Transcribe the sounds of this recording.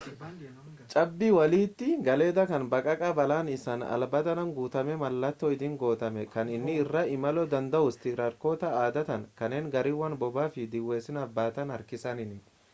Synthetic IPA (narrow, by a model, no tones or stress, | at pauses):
t͡ʃʼɐbːiwɐliːt̪ːɪɡɐle̞ːd̪ɐkɐnbɐkʼɐkʼɐbɐlaːnɪsɐːnɐ̰lbɐt̪ɐnɐŋɡuːt̪ɐmɛmɐlːɐt̪ːɔɪd̪ɪŋɡo̞ːt̪ɐmɛkɐnɪnːɪːrːaːɪmɐlɔːd̪ɐnd̪ɐʔʊst̪ɪɡɾɐɾko̞ːt̪ɐaːd̪ɐt̪ɐnkɐnːeːŋɡɐɾiːwɐnbɔbaːfɪd̪ɪwːe̞ːsɪnɐbːaːt̪ɐnɐɾkɪsɐnɪnɪ